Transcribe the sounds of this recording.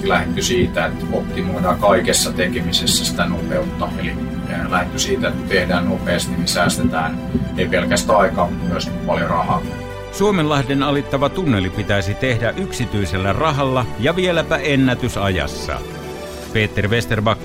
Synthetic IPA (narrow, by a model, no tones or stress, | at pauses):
læhet̪ːysiːt̪æet̪opt̪imoidɑkɑikesːɑt̪ekemisesːæsi̥t̪ænopeut̪ːɑeli | eælæhet̪ːysiːt̪æet̪ːt̪ehdæːnnopeːst̪inisæːst̪et̪æːn | eipelkæst̪æɑikɑːyøskupɑljorɑhɑ̰ː | suomelːɑhdenɑlit̪ːɑʋɑt̪unːelipit̪æˑisit̪ehdæʔyksit̪yiselːærɑɦɑlːɑjɑʋielæpæʔenːæt̪ysɑjɑ̰sːɑ̰ | peːt̪ːerʋest̪erbɑkː